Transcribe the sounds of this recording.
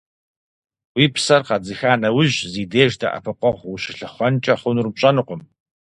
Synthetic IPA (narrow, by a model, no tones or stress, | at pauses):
wiːpsɐrqɐd͡zɨxaːnɐwʊʑziːdeːʒdɐ̰ʔɐ̰pʰɨqʷɔʁʷwʊɕɪ̥ɬɨχʷɔnt͡ʃʼɐχʷʊnurmɕʼɐnɨqʷʊm